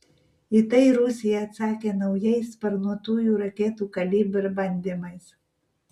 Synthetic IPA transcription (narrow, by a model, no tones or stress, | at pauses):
it̪ɐɪɾʊsʲɪjɛɐt̪sɑːkʲeːnɒʊjɛɪspɐɾnuɔt̪uːjuːɾɐkʲeːt̪uːkɐlʲiːbɪɾbɐnʲd̪ʲɪmɐɪs